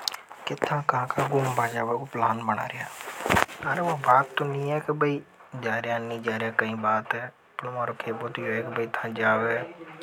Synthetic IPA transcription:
kɪt̪ʰːãːkãːkaːɡʊmbʱaːd͡ʒaːbaːkoːplaːnbəna̰ːɾɪjaː | aːɾeːoːbaːt̪ːõːnĩːɛːkebəiː | d͡ʒaːɾɪjãːnĩːd͡ʒaːɾɪjaːkəĩːbaːt̪ɛː | pəlomãːɾoːkʰeːboːt̪iːɦoɛːkebəiːt̪ʰãːd͡ʒaːʋeː

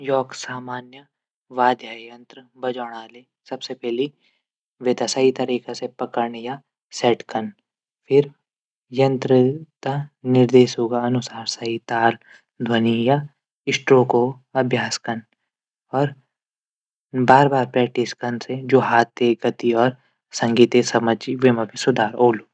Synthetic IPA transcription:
jɔːksaːmaːnjə | ʋaːd̪ʱjaːjɐ̃nt̪ɾəbɐd͡ʒaːɽ̃aːleː | sɐbsepɛɦli | ʋed̪asaːit̪ɐɾiːkasepɐkəɾɳja | sɛːʈkən | pʰɪɾ | jɐ̃nt̪ɾəd̪anɪɾd̪eːʃɦoːɡaɐnʊsaːɾsait̪aːl | d̪ʱwɐnija | ɪsʈɾoko | ɐbʱjaːskɐn | ɔːɾ | baːɾbaːɾpɾɛːk̚ʈiskɐnsed͡ʒoːɦaːt̪ːeɡɐt̪iɔːɾ | sɐ̃ŋɡiːt̪esɐməd͡ʒiʋemɐ̃bʱisʊd̪ʱaːɾoːluː

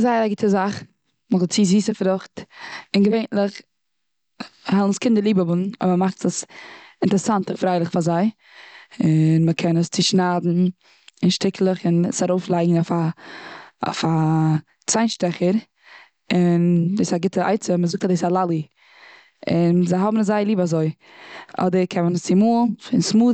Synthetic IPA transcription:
zaɪaɡɪtʰəzaχ | məzɔlˠt͡siːziːsəfɾʊχtɪnɡəveɪnləχ | hɛlˠnskɪndəɾlˠiːbəbʊnɔ̰bmaχtəsɪntəɾəsantəfɾaɪlˠɪχfazaɪ | ɪnməkʰɛnəst͡sɪʃnaːdn̩ | ɪnʃtɪkʰl̩ˠəχɪnsaɾoʊflˠaɪɡŋ̩afa̰ | fa | t͡saɪnʃtɛχəɾ | ɪndesaɡɪtʰəa̰ɪt͡səməzʊk̚tadeːsalˠalˠi | ɪnzaɪɦɔbmn̩azaɪlˠiːbazoɪ | ʔɔ̰dəɾkʰɛmənəst͡sɪmuːlˠfɪnsmuː

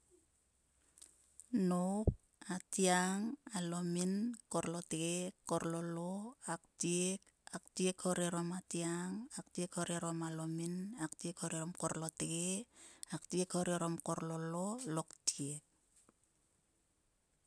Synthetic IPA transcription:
nop̚ | atiaŋalominkoɾlo̞teɡekːoɾlo̞loak̚tiek | ak̚tiekhoɾeɾomatiaŋak̚tiekhoɾeɾomalo̞minak̚tiekhoɾeɾomkoɾloteɡeaktiekhoɾeɾo̞mko̞ɾlololo̞ktiek̚

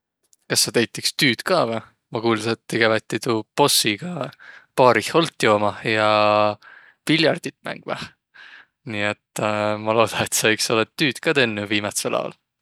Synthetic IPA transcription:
kɑsːɑt̪ejt̪ːˑikst̪yːt̪kɑvæh | mɑkuːlset̪t̪eɡ̥evæt̪ːit̪upo̞sːiɡ̥ɑpɑːɾiho̞lt̪ːˑjo̞ːmɑhjɑ | vilʲjɑrd̪̥it̪ːˑmæ̰ŋɡ̥mɑ̰h | niːet̪ːˑmɑlo̞ːd̪̥ɑnet̪sɑikso̞let̪t̪ːyːt̪kɑt̪enːuviːmɑt̪selʔɑ̰wɑ̰l

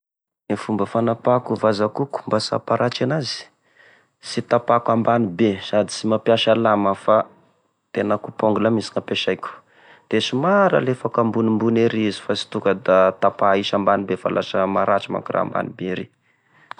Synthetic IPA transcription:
efumbəfanapakuvazakuku̥mbasa̰paɾʔat͡ʃanazi̥ | sit̪apakwambanibesad̪i̥simapjaʃalaməfa | t̪enakupoŋɡulamisi̥ŋapeʃajkʲu̥ | d̪̥esimaɾa̰lefakambunimbuneɾizi̥fasi̥t̪ukəd̪at̪apaiʃambanibefa̰lʔa̰ʃəmaɾat͡ʃima̰ŋkura̰ːmba̰nibeɾe

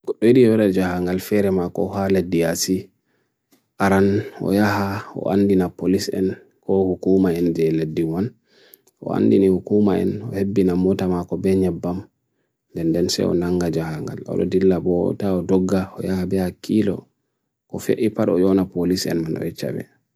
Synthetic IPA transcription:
ɡ̥ɔɗːɔiɗiwɛɗad͡ʒaɦaŋɡalfɛɾɛmakɔ̰haledːiasi | ʔaɾanɔ̰jahaɔ̰ʔa̰ndinapolisɛ̰n | kɔhukumaɛnd͡ʒɛledːiwan | ʔɔ̰a̰ndinihukumaɛ̰nɔhebːinamɔtamakɔbɛɲɛbːam | ndɛndɛnsɛ̰ɔ̰naŋɡad͡ʒahaŋɡa̰lɔ̰ɗɔ̰dilːabɔ̰taɔdɔɡːaɔ̰jahabɛhakʰːilɔ̰ | kɔfḛʔipaɗɔjɔnapolisɛ̰nmanɔ̰ɛt͡ʃa̰bɛ̰

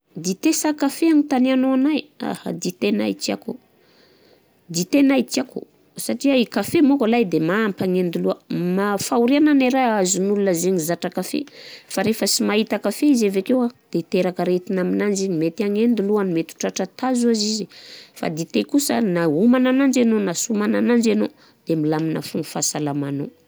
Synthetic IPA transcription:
d̪it̪esakafeaɲit̪anianoanaja̰ha̰d̪it̪ena̰itia̰ko | d̪it̪enaik̪iako̰ | saʈ͡ʂiaikafemokalajd̪emaampaŋend̪uluəmafauɾiananaɾaazunulunəzeɲizaʈ͡ʂakafḛfaɾefəsimait̪akafeizavekewad̪̥et̪eɾakəɾet̪inaminand͡ʒiɲimet̪aɲend̪uluanimet̪u̥ʈ͡ʂaʈ͡ʂat̪azuazizifa̰d̪it̪ekusənaumananand͡ʒenonasumananand͡ʒeno | d̪̥emilaminə̰fuŋufasalamano̰

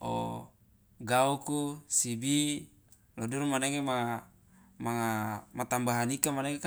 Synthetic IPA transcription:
o̰ | ɡaukusibi | lodiɾumaneŋema | maŋamat̪ambaɦanikamaneŋek

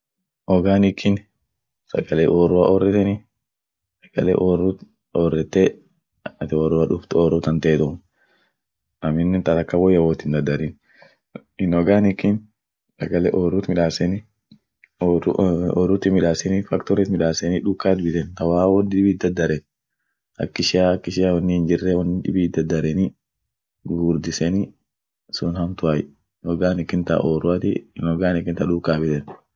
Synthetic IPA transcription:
ʔɔɡaːnɪkʰːɪn | sɐ̰ɡɐleːʔoːrʊaʔɔrːɛt̪ɛni | sɐ̥ɡ̥ɐlḛʔoːrut̪ | ɔrːɛt̪ːɛ | t̪ɪɔːrʊaᶑʊft̪ɔːrʊt̪ɐnt̪et̪ʊm | ʔɐmɪnːɛnt̪ɐt̪ɐkːawɔjːɐwɔt̪ɪnd̪ɐd̪ːɐɾin | ɪnɔɡaːnɪkːɪn | sɐɡɐlɛ̰ːʔoːɾut̪mɪᶑaːsɛni | ɾɔːɾut̪ɪmɪᶑaːsɛnifɐkt̪ɔɾɛt̪mɪᶑaːsɛniᶑʊkːaːt̪bɪt̪ɛnt̪ɐwaːwɔd̪ɪᶑɪbiːd̪ɐd̪ːɐɾɛn | ɐ̰kːɪʃɪaːɐkːɪʃɪawɐnːɪhɪnd͡ʒɪrːɛwɐnːɪᶑɪ̰biːd̪ɐd̪ːɐɾɛni | ɡuːɾd̪ɪsɛni | sʊnhɐmt̪ʊaj | nɔɡaːnɪkːɪnt̪a̰ʔoːɾʊat̪ɪnɔɡaːnɪkːɪnt̪ɐᶑʊkːaːbɪt̪ɛn

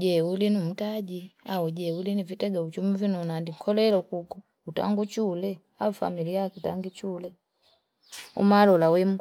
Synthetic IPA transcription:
d͡ʒɛulinum̩taɟiauɟɛulinivitɛɡaut͡ʃumivinɔnandiŋ̩kʰɔlɛlɔkukɔ | uta̰ŋɡut͡ʃulɛ | aufa̰milijakitaŋɡit͡ʃulɛ | ṵmalɔlawɛm̩

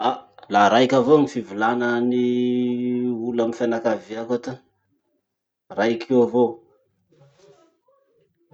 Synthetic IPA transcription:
alaɾajkʲavoŋifivilanəni | ulamifanakaviakat̪u | rajkʰewavo

